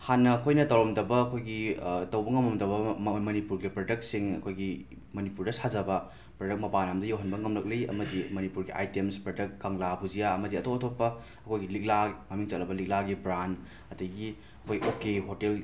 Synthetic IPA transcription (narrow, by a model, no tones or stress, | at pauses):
hanːɐːkʰojnɐtɐwɾɐmdɐbɐːkʰojɡitɐwbɐŋɐmɐmdɐbɐmɐnipuɾɡipɾɐdɐk̚t̚siŋɐ̰kʰojɡi | mɐnipuɾdɐsazɐbɐ | pɾodɐk̚mɐpanamdɐjawɦɐnbɐŋɐmlɐk̚liɐ̰mɐdimɐnipuɾɡiʔa̰jtemspɾɐdɐk̚kaŋlabʱud͡ʒijaɐmɐdiɐtoɐtʰopːɐ | ɐkʰojɡilik̚lamɐmiŋt͡ʃɐtlɐbɐlik̚laɡibɾan | ɐtɐjɡi | ɐkʰojʔokeɦotel